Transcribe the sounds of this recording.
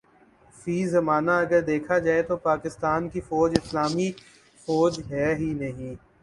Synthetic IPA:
fiːzɐmaːnaɐɡəɾd̪eːkʰad͡ʒaːet̪opaːkɪst̪aːnkifɔːd͡ʒɪslaːmi | fɔːd͡ʒɦɛːɦinɐɦĩː

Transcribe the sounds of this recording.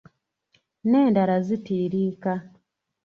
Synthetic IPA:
neːndaɾazitiːɾiːka

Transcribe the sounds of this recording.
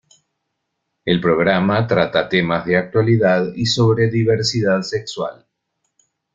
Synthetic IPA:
elpɾoɣ̞ɾamat̪ɾat̪at̪emazðeak̚t̪waliðaðiso̞βɾeðiβeɾsiðaðsekswa̰l

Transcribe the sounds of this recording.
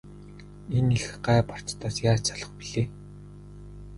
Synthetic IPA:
enexɢaːpar̥t͡st̪aːsjaːt͡sʰaɮə̆χpiɮeː

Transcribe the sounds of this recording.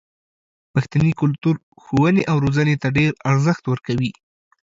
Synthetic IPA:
paxt̪anikʊlt̪uɾ | xowəneʔawɾozanet̪aɖeɾaɾzəxt̪wəɾkawi

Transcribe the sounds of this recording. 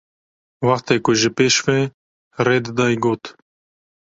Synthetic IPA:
wɑxt̪eːkʊʒɪpeːʃveː | ɾeːd̪d̪ɑːjɡoːt̪

